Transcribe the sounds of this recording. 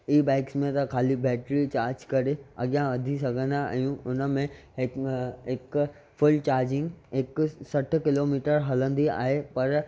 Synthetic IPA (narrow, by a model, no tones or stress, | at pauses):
iːbaːɪksmẽt̪ɐkʰaːlibɛːʈɾit͡ɕaːɾd͡ʒkɐɾeɐ̰ɡjãʋɐd̪ʱisɐɡʱə̃naa̰ːjũʊnmẽ | ɪk | fʰʊlt͡ɕaːɾd͡ʒɪ̃ŋɡɪksɐʈʰkɪloːmiːʈəɾɦɐlə̃nd̪ia̰ːɦepɐɾ